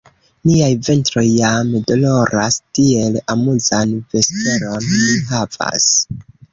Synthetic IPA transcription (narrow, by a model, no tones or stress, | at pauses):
niajve̞ntɾo̞jːamdo̞lo̞ɾastie̞lamuzanve̞spe̞ɾo̞nliɦava̰s